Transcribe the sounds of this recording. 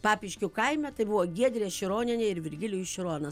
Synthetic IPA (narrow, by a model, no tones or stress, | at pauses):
pɑːpʲɪʃʲkʲʊkɐɪmʲɛt̪ɐɪbʊʋoːɡʲiɛd̪ʲɾʲeːʃʲɪɾoːnʲɪnʲeːɪɾʋʲɪɾʲɡʲɪlʲʊːɪʃʲɪɾoːnɐ